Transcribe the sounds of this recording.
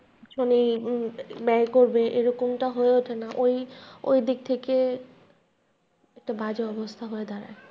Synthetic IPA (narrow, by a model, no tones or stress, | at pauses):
ʃoni | bɛkoɾbeʔeɾɔkomʈaɦoeoʈʰenaʔojo̰jd̪ik̚t̪ʰeke | ɛk̚ʈabad͡ʑeɔbost̪ʰaɦoed̪aɾa̰e